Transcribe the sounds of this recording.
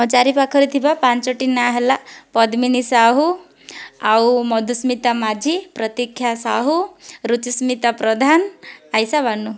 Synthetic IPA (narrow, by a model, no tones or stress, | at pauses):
ɔt͡ʃaɾipakʰəɾit̪ʰibapant͡ʃɔʈinaɦelapɔd̪minisaɦu | awmɔd̪ʱusmit̪amad͡ʒʱipɾɔt̪ikʰjasaɦuɾut͡ʃismit̪apɾɔd̪ʱanajsabanu